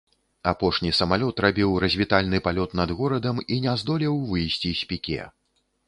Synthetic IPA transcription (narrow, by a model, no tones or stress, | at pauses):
apɔʂnʲisɐmalʲɔt̪rabʲiwɾɐzʲvʲit̪alʲnɨpalʲɔt̪nɐd̪ɣɔɾɐd̪ɐminʲɛzd̪ɔlʲiwvɨjsʲt͡sʲisʲpʲikʲɛ̰